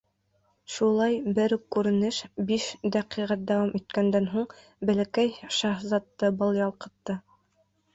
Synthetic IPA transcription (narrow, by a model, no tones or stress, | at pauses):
ʃulˠɑjbɘɾkʉɾɘ̆nɘʃbiʃd̪æqiʁæt̪̚d̪æwɑmʔit̪̚kænd̪ænɦuɴ | bælækæjʃɑhzɑt̪ːɤbɤ̆lˠjɑlˠqɤ̆t̪ːɤ